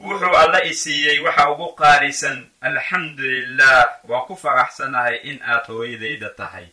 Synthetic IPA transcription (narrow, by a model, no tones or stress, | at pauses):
wʊħuːɐlːɐɪsijɛjwɑħɑʊɣʊqɑːɾɪsɐnʔɐlħɑmd̪ʊlɪlːahwɑːkʰʊfɐɾɑħsɐnɐhɛjʔɪnʔaːd̪hɔːjɐðɛjðɐt̪ʰɐɦɛ̰j